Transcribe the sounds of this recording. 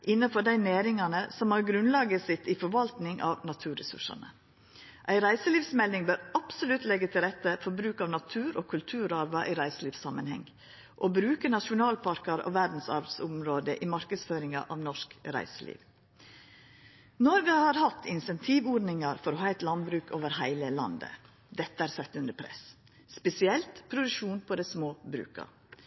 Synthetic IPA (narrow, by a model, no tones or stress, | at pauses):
ʔɪnːəfɔɖæɪneːɾɪŋɑnəsɔmhɑɾɡɾʉnlɑːɡəsɪt̪ːifɔɾʋɑlt̪nɪŋʔɑ̰ːʋnɑt̪ʰʉːɾɛsʉ̰ʂɑ̰nə̰ | ʔæɪɾæɪsəliːʋsmɛlɪŋbøːɾɑpsʊlʉt̪lɛɡːət̪ʰɪlɾɛt̪ːəfɔɾbɾʉːkɑːʋnɑt̪ʰʉːɾoːkʰʉlt̪ʰʉːɾɑɾʋɑʔiɾæɪsəliːʋsɑmənhɛ̰ŋ | ʔobɾʉːkənɑʃʊnɑːlpʰɑɾkɑɾo̰ːʋæd̪n̩sɑ̰ɾb̪sʊmɾoːd̪əʔimɑɾkəsføːɾɪŋɑ̰ʔɑʋnɔʂkɾæ̰ɪsəlḭːʋ | nɔɾɡəhɑɾhɑt̪ʰːɪnsɛnt̪ʰiːʋɔɾnɪŋɑɾfɔɾɔɦɑːɛɪt̪lɑnbɾʉːkʰoːʋəɾhæɪləlɑ̰nd̪ə̰ | d̪ɛt̪ːəæɾsɛt̪ːʉnd̪əpʰɾɛ̰s | spɛsɪɛlt̪pʰɾʊd̪ʉʂuːnpʰɔd̪ɛɪsmoːbɾʉ̰ːkɑ̰